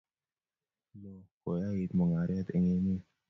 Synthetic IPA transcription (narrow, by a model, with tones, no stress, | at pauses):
lo˨ko˨ja˦ji˨t̪mə˨ŋa˨ɾa˦t̪ə˨ŋe˦mi˦